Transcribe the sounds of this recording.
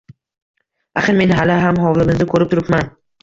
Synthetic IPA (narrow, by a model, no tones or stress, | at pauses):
aχɨɾme̞nɦalɪɦamɦɒwlɪmɪzd̪ɪkʰɵɾɪp̚t̪ʰʊɾɪpman